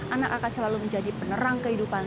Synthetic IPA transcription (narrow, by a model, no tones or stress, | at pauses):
ʔanakakansəlaluməɲd͡ʒadipənəɾaŋkəɦidupan